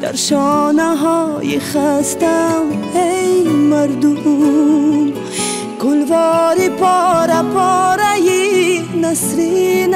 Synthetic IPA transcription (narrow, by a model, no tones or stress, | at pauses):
d̪̥a̰ɾʃɔnaɦɔjiχast̪am | ejmaɾd̪u | m | ɡʊlvɔɾipɔɾapɔɾajinasɾin